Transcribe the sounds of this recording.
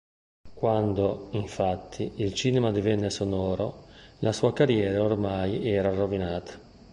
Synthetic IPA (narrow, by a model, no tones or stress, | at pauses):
kwand̪oiɱfat̪ʰːiilt͡ʃiːnɛmad̪ivɛnːesonɔːɾo̰lʔasuːakarjɛːɾaormajɛːɾarovinaːt̪ʰḁ